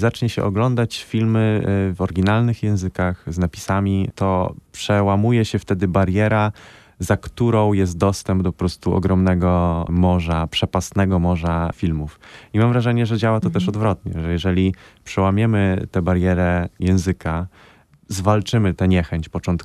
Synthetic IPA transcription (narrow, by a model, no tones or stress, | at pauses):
zat͡ʂɲɛɕɛ̰ʔɔɡlɔnd̪at͡ɕfʲilmɘvɔɾɡʲinalnɘxjɛ̃w̃zɘkaxznapʲi̥samʲit̪ɔpʂɛwamujɛɕɛft̪ɛd̪ɘbaɾjɛɾa | zakt̪uɾɔ̃w̃jɛst̪̚d̪ɔst̪ɛmb̚d̪ɔpɔpɾɔst̪uɔ̰ɡɾɔmnɛɡɔmɔʐapʂɛpast̪nɛɡɔmɔʐafʲilmufimamvɾaʐɛɲɛʐɛd͡ʑawat̪ɔt̪ɛʂɔd̪vɾɔt̪ɲɛ̰ʐɛjɛʐɛlʲipʂɛwamʲjɛmɘt̪ɛbaɾjɛɾɛjɛ̃w̃zɘka | zvalt͡ʂɘmɘt̪ɛɲɛxɛɲt͡ɕpɔt͡ʂɔnt̪k